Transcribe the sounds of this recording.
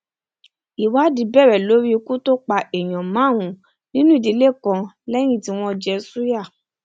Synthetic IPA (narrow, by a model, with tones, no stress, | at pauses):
i˨wa˦di˨˧bɛ˦˨ɾɛ˨lo˨˦ɾi˦o˧ku˦to˦k͡pa˧ɛ˨j̃ɔ̃˨mã˨˦˨wũ˨˦ | nĩ˦nũ˦i˦˨di˧˦le˦˨kɔ̃˧ | lɛ˦j̃ĩ˦˨ti˧w̃ɔ̃˧d͡ʒɛ˧su˦ja˦˨